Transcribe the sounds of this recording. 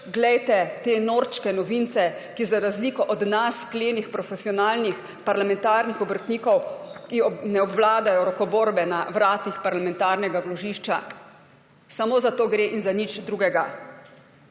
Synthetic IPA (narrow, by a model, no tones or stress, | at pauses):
ɡlɛjt̪ɛt̪eːnoɾt͡ʃkɛnɔʋint̪sɛkizaɾazlikɔʔɔd̪naskleːnixpɾɔfɛsiɔnaːlnix | paɾlamɛnt̪aːɾnixɔbəɾt̪niːkɔwkiɔnɛɔbʋwlaːd̪ajɔɾɔkɔboːɾbɛnaʋɾaːt̪ixpaɾlamɛnt̪aːɾnɛɡawlɔʒiʃt͡ʃa̰ | samoːzat̪oːɡɾeːʔinzanit͡ʃd̪ɾuːɡɛɡa